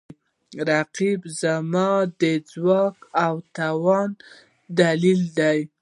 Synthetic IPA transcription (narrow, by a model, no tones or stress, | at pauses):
ɾaqibzamɑd̪əd͡zwɑkawt̪awɑn | d̪alild̪aj